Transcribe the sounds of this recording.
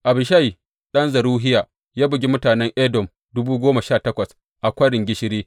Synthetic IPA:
ʔa˨bɪ˨ʃa˦ji˨ | ɗɐ˦nzɐ˨ɾuː˦ɦɪ˦jaː˨ | jaː˦bɪ˨ɡʲi˦mʊ˦taː˨nɛ˦ŋʔɛː˦dɔ˨m | dʊ˦buː˦ɡʷoː˦ma˨ʃaː˦˨tɐ˦kʷɐ˨s | ʔa˨kʷɐ˦ɽɪ˨ŋɡʲɪ˦ʃɪ˦ɾiː˦

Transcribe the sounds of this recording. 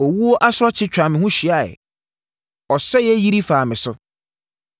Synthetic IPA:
ɔ˨wu˦o˦ʔa˦sʊ˦ɾɔ˦t͡ɕʰɪ˦t͡ɕᶣɾa˨mɪ̃˨ɦũ˦ɕi˨a˨ɛ̰˨ | ɔ˨sɛ˦jɛ˦ji˦ɾi˦faː˨mɪ̃˨sʊ˦

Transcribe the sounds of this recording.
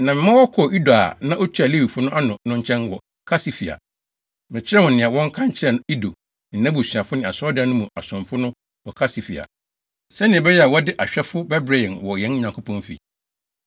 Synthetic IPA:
nã˨mɪ̃˨˦mã˦wɔ˦kʰɔ˨ʔi˦da˨a̰˨nã˦ʔo˦t͡ɕʰᶣi˦a˨li˦wi˨fʊ˦nʊ̃˦ʔa˦nʊ̃˨nʊ̃˦ɲ˦t͡ɕʰɛ̃˦nwɔ˨ | kʰa˦si˨fi˨a̰˨ | mɪ̃˨t͡ɕʰɪ˦ɾɛ˦wʊ̃˨nɪ̃˨a˨wɔ̃˦ŋ̩˦kʰã˦ɲ˦t͡ɕʰɪ˦ɛ˨i˦do˨ | n̩˨nã˦bu˨sɥã˨fʊ˦nɪ̃˨a˨sɔ˦dɪ˦˨˦nʊ̃˦mũ˨a˨sʊ̃˨mfʊ˦nʊ̃˦ | wɔ˨kʰa˦si˨fḭ˨a̰˨ | sɛ˦nɪ̃˨ɛ˨bɛ˦jɛ˦a˨wɔ˦dɪ˦ʔa˨ɕᶣɛ˦fʊ˦bɛ˦bɾa˨ĩ˨nwɔ˨jɛ̃˨˦n˦ɲã˨ŋkʰʊ˦pʰɔ̃˦nfḭ˨

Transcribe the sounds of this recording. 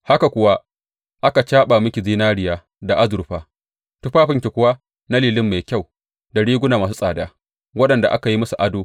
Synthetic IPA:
ha˦ka˨kʷʊ˨wa˦ | ʔa˦ka˨t͡ʃaː˦ɓa˨mɪ˦kʲi˨ziː˦naː˦ɽɪ˨jaː˦ | da˨ʔa˦zʊ˨ɾɸaː˦ | tʊ˦ɸaː˦ɸɪ˦ŋkʲi˨kʷʊ˦wa˦ | na˦liː˨lɪ˦mːa˨kʲa˦˨w | da˨ɽiː˦ɡʷʊ˦naː˨maː˨su˦sʼaː˨daː˦ | wɐ˦ɗɐ˨nda̰˨ʔa˦ka˨ji˦mɐ˦su˨ʔa˦doː˨

